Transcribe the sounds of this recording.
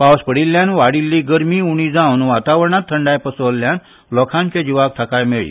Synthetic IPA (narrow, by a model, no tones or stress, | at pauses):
pawspəɽilːjãnʋaɽilːiːɡəɾmiːuɽ̃iːd͡zãwnʋat̪aʋəɾɳat̪ʰːəɳɖajpəsɔlːjan | lɔkʰãnt͡ɕẽd͡ʑiʋak̚t̪ʰakajmeɭḭː